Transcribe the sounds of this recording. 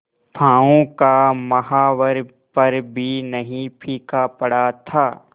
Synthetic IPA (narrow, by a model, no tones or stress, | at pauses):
pʰãːõkamɐɦaːʋəɾ | pɐɾbʱinɐɦĩpʰiːkapɐɽat̪ʰaː